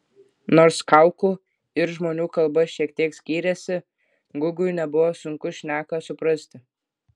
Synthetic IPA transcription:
noːɾskɐˑʊkuː | ɪɾʒmoːnʲuːkɐlˠbɐʃʲiɛkt̪ʲiɛksʲkʲiːɾʲɛsʲɪ | ɡʊɡʊjnʲɛbʊʋoːsʊŋkʊʃʲnʲæːkɐsʊpɾɐsʲt̪ʲɪ

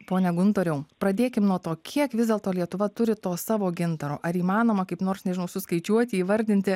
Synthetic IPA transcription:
poːnʲɛɡʊnt̪oːɾʲɛʊpɾɐd̪ʲeːkʲɪmnuɔt̪oːkʲʰiɛkʋʲɪzdʲɛlˠt̪oːlʲiɛt̪ʊʋɐt̪ʊɾʲɪt̪oːsɑːʋoːɡʲɪnt̪ɐɾo̰ːʔɐɾiːmɑːnoːmɐkɐɪpnoːrsnʲɛʒʲɪnɐʊsʊskɐɪt͡ʃʲuɔt̪ʲɪiːʋɐɾʲd̪ʲɪnʲt̪ʲɪ

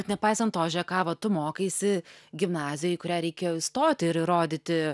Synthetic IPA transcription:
ɛt̪nʲɛpɐɪsɐnt̪oːʒʲɛkɑːʋɐt̪ʊmoːkʲeɪsʲɪɡʲɪmnɑːzʲɪjoːɪkʊɾʲæːɾʲɛɪkʲeːjoɪst̪oːt̪ʲɪɪɾɾoːd̪ʲɪt̪ʲɪ

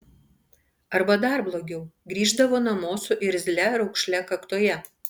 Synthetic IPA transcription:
ɐɾbɐd̪ɐˑɾblˠoːɡʲɛʊɡɾʲiːʒd̪ɐʋoːnɐmoːsʲʊʔɪɾzʲlʲɛɾɒʊkʃʲlʲɛkɐkt̪oːjɛ

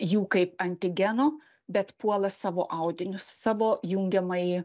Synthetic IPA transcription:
juːkɐɪpɐnʲt̪ʲɪɡʲɛnoː | bʲɛt̪puɔlˠɐssɑːʋoːʔɐʊd̪ʲɪnʲʊssɑːʋoːjuŋʲɡʲɛmɐɪ

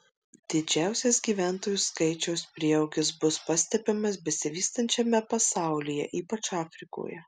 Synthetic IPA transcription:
d̪ʲɪd͡ʒʲæˑʊsʲesɡʲiːʋʲæːˑnt̪oːjuˑskɐɪt͡ʃʲɛʊspʲɾʲiɛoʊɡʲɪsbʊspɑsʲt̪ʲɛpʲɪmɐsbʲɛsʲɪʋʲiːst̪ɐnʲt͡ʃʲɛmʲɛpɐsɑˑʊlʲijɛ̰ʔiːpɐt͡ʃɑːfʲɾʲɪko̰ːjɛ

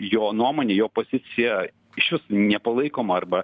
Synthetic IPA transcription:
joːnuɔmoːnʲeːjoːpoːzʲɪt̪sʲɪjɛ | ɪʃʲʋʲɪsʊnʲɛpɐlˠɐɪkoːmɐɐrbɐ

